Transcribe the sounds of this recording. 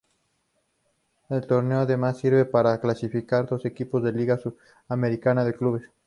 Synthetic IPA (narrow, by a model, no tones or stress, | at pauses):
elt̪o̞ɾneoaðe̞masːiɾβe̞paɾaklasifikaɾd̪o̞se̞kipo̞zðe̞liɣasu | ame̞ɾikanaðekluβe̞s